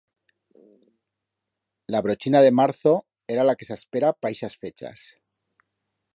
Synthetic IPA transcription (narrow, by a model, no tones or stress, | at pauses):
laβ̞ɾo̞t͡ʃinaðe̞maɾθo̞ | e̞ɾalake̞saspeɾapajʃasfe̞t͡ʃa̰s